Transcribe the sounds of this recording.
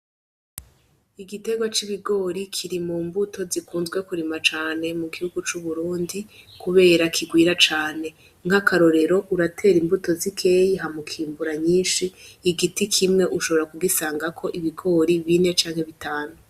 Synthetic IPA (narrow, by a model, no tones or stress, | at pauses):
iɡite̞ɡwat͡ʃiβiɡo̞ːɾikʰiɾimuːmbutʰo̞zikʰuːnzɡwe̞kuɾimat͡ʃaːne̞muɡihuɡut͡ʃuβuɾuːndikuβe̞ːɾakʰiɡwiːɾat͡ʃaːne̞ | ŋ̥hakaɾo̞ɾe̞ɾo̞ʔuɾatʰe̞ːɾimbuto̞zikʰe̞jiɦamukʰiːmbuɾaɲiːnʃiːɡitikʰimŋe̞ʔuʃo̞βo̞ɾakuɡisaːŋɡakʰo̞ʔiβiɡo̞ːɾiβine̞t͡ʃaːŋhe̞βitaːnu